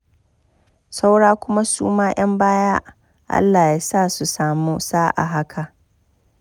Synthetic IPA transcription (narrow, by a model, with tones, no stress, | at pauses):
sa˦wɽaː˦kʷʊ˦ma˦suː˦maː˦j̰ɐ˦mbaː˦jaː˦ | ʔa̰˦lːaː˨jaː˦saː˦˨su˨saː˨muː˦saː˦ʔa̰˨ɦa˦kʰa˨ʔ